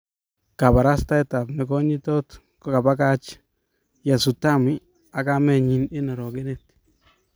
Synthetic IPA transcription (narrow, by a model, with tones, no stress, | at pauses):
ka˨pa˨ɾa˦sta˦ɛ˦ta˨pnɛ˨kɔ˦ɲɪ˦tɔ˦t | kɔka˨pa˦ka˦t͡ʃ | ja˨su˨ta˦mɪ˦ | a˨ka˦mɛ˨ɲi˨nɪ˦na˨ɾɔ˨kɪ˦nɛ˦t